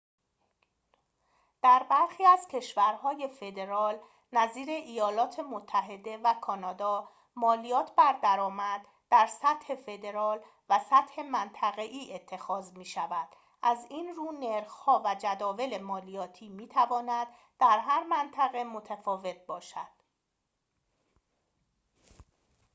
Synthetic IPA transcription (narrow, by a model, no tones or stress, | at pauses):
d̪̥æɾbæɾxiːæz̥cʰe̞ʃvæɾhɒːje̞fe̞d̪e̞ɾɒːl | næziːɾe̞ʔijɒːlɒːt̪ʰemot̪ʰːæɦe̞d̪e̞vækʰɒːnɒːd̪ɒː | mɒːlijɒːt̪ʰbæɾd̪æɾɒːmæd̪̥ːæɾsæt̪he̞fe̞d̪e̞ɾɒːl | væsæt̪he̞mænt̪ʰæɣe̞ʔiːʔet̪ʰːe̞xɒːzmiːʃævæd̪̥ | ʔæzinruːneɾxhɒːvæd͡ʒæd̪ɒːve̞le̞mɒːlijɒːt̪ʰiːmiːt̪ʰævɒːnæd̪̥ːæɾɦæɾmænt̪ʰæɣe̞mot̪ʰæfɒːve̞t̪̚bɒːʃæd̪̥